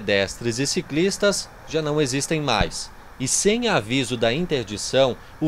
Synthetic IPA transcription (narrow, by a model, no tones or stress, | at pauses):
d̪ɛst̪ɾɪzɪsiklist̪ɐs | ʒanɐ̃w̃ezist̪ẽj̃ma̰js | ɪsẽj̃avizʊd̪ɐĩnt̪eɾd͡ʒisɐ̃w̃ | ʊ